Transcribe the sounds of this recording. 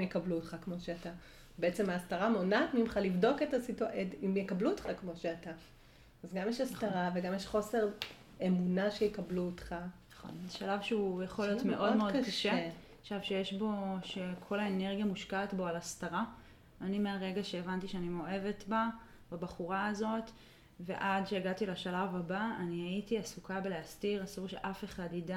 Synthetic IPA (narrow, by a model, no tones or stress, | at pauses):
jekabluotχakmo̞ʃeata | beet͡semaːst̪aʁamonatmimχalivdo̞ketasitetimjekabluotχakmo̞ʃeataː | zɡamjeʃast̪aʁaveɡamjeʃχo̞se̞ʁ | emunaʃejekɐbluotχanaχo̞̰nzeʃalavʃeujeχoljot̪me̞ʔo̞dmeo̞dkaʃe | χʃavʃejeʃbo̞ʃe̞kʰo̞laeneʁɡjamuʃkaːtbo̞alastaʁa | animeaʁe̞ɡaʃe̞ːvantiʃeanimoe̞ve̞tba | babaχuʁaːzo̞t | ve̞̰ʔadʃeaɡatilaʃalavabaanihaitiasukʰabeleastiʁasuʁʃḛʔafe̞χadida